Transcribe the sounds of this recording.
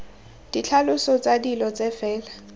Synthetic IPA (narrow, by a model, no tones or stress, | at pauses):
d̥it͡ɬʰalʊsɔt͡sʼadilɔt͡sʼɛfɛːla